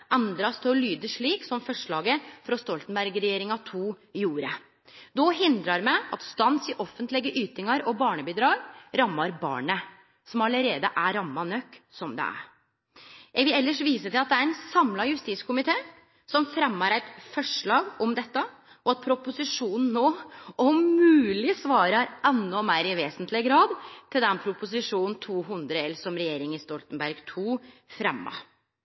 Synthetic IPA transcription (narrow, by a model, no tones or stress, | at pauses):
ʔɑnd̪ɾɑst̪ʰɪɔlyːd̪əʂɭiːksɔmfɔʂɭɑːɡəfɾɑst̪ɔlt̪nbæɾɡɾɛjeːɾɪŋɑt̪ʰuːjuːɾə | d̪ɔɦɪnd̪ɾɑɾmæɪʔɑ̰t̪st̪ɑnsɪʔɔfənt̪lɪɡəʔyːt̪ɪŋɑɾɔbɑːɳəbɪd̪ɾɑːɡɾɑmːɑɾbɑ̰ːɳə | sɔmɑləɾeːd̪əʔæɾɑmːɑnœkːsɔmd̪ɛ̰æ̰ɾ | jæɡʋɪlɛlːəʂʋiːsət̪ɪlɑt̪d̪ɛæɾɛnsɑmlɑjʉst̪iːt̪skʰʊmɪt̪ʰeː | sɔmfɾɛmːɑɾæɪt̪fɔʂɭɑːɡɔmd̪ɛt̪ːə | ʔɔɑt̪̚pʰɾʊpʊsɪʂuːnn̩nːoːɔmʉːlɪsʋɑːɾɑɾɛnːɔmeːɾɪʋeːsənt̪lɪɡɾɑːd̪t̪ʰɪld̪ɛnpʰɾʊpʊs̬ɪʂuːnn̩t̪ʰuːɦʉnd̪ɾəɛlsɔmɾɛjeːɾɪŋɪst̪ɔlt̪ənbæɾɡt̪ʰuːfɾɛmːɑ̰